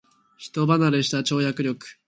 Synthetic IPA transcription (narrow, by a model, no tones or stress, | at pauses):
çi̥t̪o̞banaɾɯɕi̥t̪at͡ɕo̞ːjakɯ̟ɾʲjo̞kɯ̥